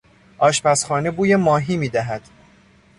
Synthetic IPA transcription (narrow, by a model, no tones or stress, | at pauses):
ʔɒːʃpæsxɒːnebuːjemɒːɦiːmiːd̪æɦæd̪̥